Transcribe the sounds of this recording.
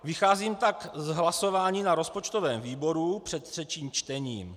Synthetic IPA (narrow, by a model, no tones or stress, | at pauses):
vɪxaːziːmt̪akzɦlaso̞vaːɲiːnaɾo̞spo̞t͡ʃt̪o̞vɛːmviːbo̞ɾupr̥ɛt̪r̥ɛt͡ʃiːmt͡ʃt̪ɛɲiːm